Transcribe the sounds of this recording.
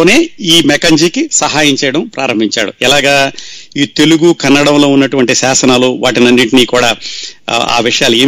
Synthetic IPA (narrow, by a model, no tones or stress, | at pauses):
oːne̞ːiːmɛkɐɲd͡ʒiːkisɐɦaːjɐɲt͡ʃɛjɐɽɐmpɾaːɾɐmbʱiɲt͡ʃa̰ːɽuɛlaːɡaːiːt̪e̞luɡukɐnːɐɽɐmlo̞ːunːɐʈuʋɐɳʈisaːsɐnaːluʋaːʈinɐnːiʈiniːkuːɽaː | a̰ːʋiʂɐjaːlue̞ː